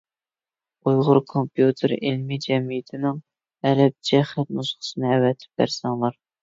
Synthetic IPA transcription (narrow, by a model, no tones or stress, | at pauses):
ujʁʊɾkʰompjut̪ʰɨɾilmɪd͡ʒɛmijɪt̪ʰɪnɪŋ | ɛlɛp̚d͡ʒɛχɛt̪nusχə̥sɨnɨɛwɛt̪ʰɪ̥p̚bæ̰ɾsɛŋlˠɑɾ